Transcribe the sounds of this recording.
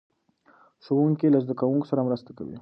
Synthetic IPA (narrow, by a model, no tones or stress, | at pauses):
ʃowuŋkilazd̪əkawuŋko̥saɾamɾəst̪aka̰wḭ